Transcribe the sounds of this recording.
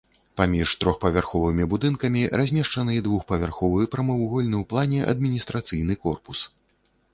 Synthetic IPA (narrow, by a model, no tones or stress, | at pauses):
pamʲiʂt̪ɾɔxpɐvʲarxɔvɨmʲibud̪ɨnkɐmʲiɾʔazʲmʲɛʂt͡ʂɐnɨɛd̪vuxpɐvʲarxɔvɨjɛpɾɐmɐwɣɔlʲnɨwplˠanʲɛʔɐ̰d̪̚mʲinʲist̪ɾat̪sɨjn̪ɨkɔrpus